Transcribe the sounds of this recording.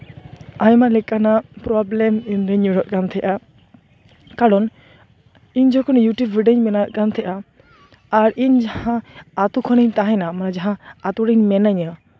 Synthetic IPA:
ajmalɛkanapɾɔblɛminɾəɲuɽɔʔ̪̚kant̪ʰɛʔa | kaɽɔn | iɲd͡ʒɔkɔnjuʈjubiɖəɲmɛnaʔ̪̚kant̪ʰɛʔaː | ɾiɲd͡ʒahãːt̪ukʰɔnəɲt̪ãɦɛnamanad͡ʒaɦãat̪uɽəɲmɛnəɲə

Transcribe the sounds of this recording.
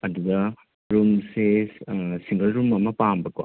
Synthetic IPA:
ɐd̪ud̪ɐ | ɾumse | siŋɡɐlɾumɐmɐpambɐka̰

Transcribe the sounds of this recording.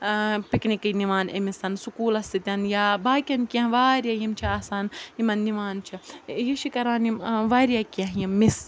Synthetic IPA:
piknikɐniʋaːnḛmisɐnsukuːlɐst̪it̪ʲɐnjaːbaːkʲɐnkʲɐ̃ɦʋaːɾʲjajimt͡ʃʰiaːsaːnimɐnːiʋaːnt͡ʃʰijiʃikɐɾaːnimʋaːɾijakɐ̃ɦjimːis

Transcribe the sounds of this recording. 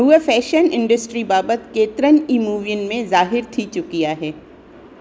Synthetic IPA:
ɦuəfɛːʃənɪ̃ɳɖəsʈɾibaːbət̪keːt̪ɾəniːmuːʋijənmẽzaːɦɪɾt̪ʰit͡ʃʊkijaːɦɛː

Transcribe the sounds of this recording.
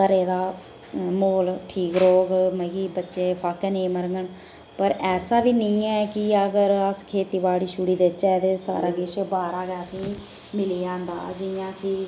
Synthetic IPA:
k̪əɾeːd̪aː | moːlʈʰiːkɾoːɡməɡiːbətːʃeːpʰaːkɛːnẽːməɾŋɡəɳ | pəɾɛːsaːbiːnɪĩːɛːkɪəɡəɾəskʰeːt̪iːbaːɽiːʃuɽiːd̪et͡ʃːɛd̪eːsa̰ːɾaːɡɪʃbaːɾaːɡɛːəsĩː | mɪliːãːnd̪a̰ːd͡ʒɪjãːkɪ

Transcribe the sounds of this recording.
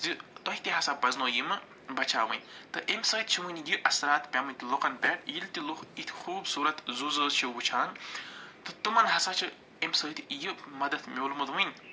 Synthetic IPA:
zɨt̪ɔhit̪iɦɐsabɐznoːjimɨ | bɐt͡ʃʰaːʋɨ̰nʲt̪ɨʔemsɐːt̪̚t͡ʃʰiʋɨnʲjɨʔɐsɾaːt̪pʲamɨnʲt̪ilokɐnpʲɛʈjilt̪iluxit̪ʰxuːbsuːɾɐt̪zuzəːzt͡ʃʰiwbut͡ʃʰaːŋt̪ɨt̪ɨmɐnɦɐsat͡ʃʰɨ | emsəːt̪ʰjɨmɐd̪ɐt̪ʰmʲoːlmɨd̪ʋɨnʲ

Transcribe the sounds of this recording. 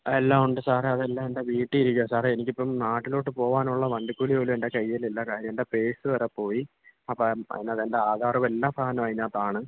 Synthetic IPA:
elːaːuɳɖɨsaːreɐðe̞lːaːme̞nde̞ʋiːʈːɨiɾukʲːuɐsaːreenikʲːipːɐmnaːʈːilo̞ːʈːɨpo̞ːʋaːnuɭːɐʋɐɳɖukːuɭijoːlume̞nde̞kɐjːililːɐkaːɾjɐmndepe̞ːsɨʋɐɾɐpːo̞ːji | ɐpːɐɐ̰ðineɐðende̞aːd̪ʱaːrɐme̞lːaːmsaːɦɐnɐmɐɻiɲːaːt̪ːaːɳɨ

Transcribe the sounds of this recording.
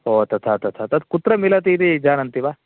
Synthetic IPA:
ɦoːt̪ɐt̪ʰat̪ɐt̪ʰat̪ɐt̪kut̪ɾəmilat̪̬id̪id͡ʒaːñɐnt̪iba

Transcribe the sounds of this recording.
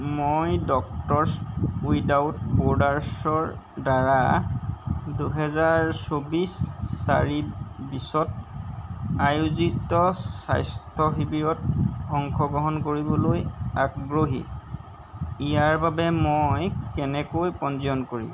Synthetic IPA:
mojdɔk̚tɔɹsujdawtbɔɹdaɹsɔɹ | daɹa | duɦɛzaɹsobisːa̰ɹibisɔt | ajuzitɔsa̰jstʰɔxibiɹɔt̚hɔŋkʰɔɡɔɦɔnkoɹibɔlojakɡɹoɦḭ | ijaɹbabɛmojkɛnɛkojpɔnziɔnkoɹḭm

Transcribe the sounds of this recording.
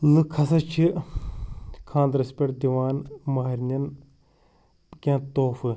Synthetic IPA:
lɨkʰɐsɐt͡ʃʰi | kʰãːnd̪ɾɐspʲɐʈd̪iʋaːnmɐɦɐɾnʲɐn | kʲãːt̪oːfɨ

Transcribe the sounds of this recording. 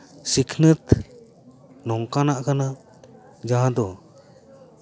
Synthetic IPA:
sikʰnət̪ | nɔŋkanaʔkana | d͡ʒaɦãd̪ɔ

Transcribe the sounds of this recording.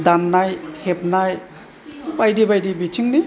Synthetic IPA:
danːajhep̚naj | bajdibajdibitʰiŋni

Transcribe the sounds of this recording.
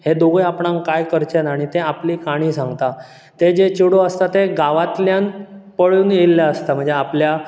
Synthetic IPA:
hed̪oɡəjapɳãŋkajkəɾt͡ɕenaɽ̃it̪eapliːkaɽ̃iːsãŋɡt̪a | t̪ed͡ʑet͡ɕuɽoəst̪at̪eɡaʋat̪ljãnpəɭuːnelːjaəst̪am̤əɳd͡zeaplja

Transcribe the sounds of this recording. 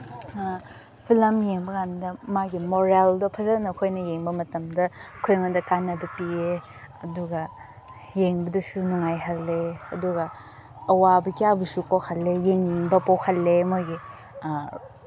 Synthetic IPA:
pʰilɐmjeŋbɐɡandɐmaɡimoɾeldɐpʰɐzanɐkʰojnɐjeŋbɐmɐtɐmdɐkʰojŋadɐkanɐbɐpie | ɐduɡɐ | jeŋbɐdɐsunuŋajɦɐlːeɐduɡɐː | wabɐkijabɐsukowkʰalːejeŋjiŋbɐpowkʰalːemaɡi

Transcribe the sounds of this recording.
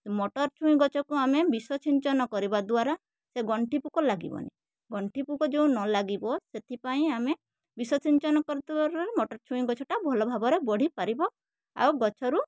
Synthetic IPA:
mɔʈɔɾt͡ʃʰuĩɡɔt͡ʃʰɔkuamebisɔt͡ʃiɲt͡ʃɔnɔkɔɾibad̪waɾa | seɡɔɳʈipukɔlaɡḭbɔ̰nḭ | ɡɔɳʈipukɔd͡ʒeũnɔlaɡibɔset̪ʰipaĩame | bisɔt͡ʃiɲt͡ʃɔnɔkɔɾid̪uaɾaɾemɔʈɔɾt͡ʃʰũĩɡɔt͡ʃʰɔʈabʱɔlɔbʱabɔɾebɔɽ̤ipaɾibɔ | a̰wɡɔt͡ʃʰɔɾu

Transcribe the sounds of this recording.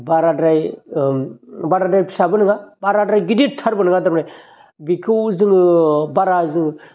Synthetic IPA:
baɾadɾaj | baɾadɾajpʰi̥sabɯnɯŋabaɾadɾajɡidit̪ʰaɾbənɯŋɡad̪aɾpnaj | bikʰɯwzɯŋbaɾazɯŋ

